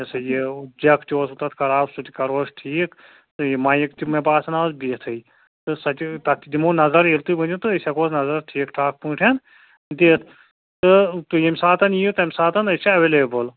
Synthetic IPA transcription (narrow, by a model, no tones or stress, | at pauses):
ɐsɐjed͡ʒɐkt̪ʲoːsut̪ɐt̪ʰkɐɾaːbsut̪ʲikɐɾoːʃʈʰiːkʰ | t̪ɨjimãːjikt̪imɐbaːsɐnaːzbit̪ʰɨj | t̪ɨsɐt̪t̪ɐt̪ːid̪imonɐzɐɾelt̪ɨbɨnut̪ɨəsʲɐkoːznɐzɐɾʈʰiːkʈʰaːk̚puːʈʰɐn | d̪iːt̪ʰ | t̪ɨt̪ujɐmʲsaːt̪ɐniut̪ɐmʲsaːt̪ɐnɐsɐɐʋeːleːbɨl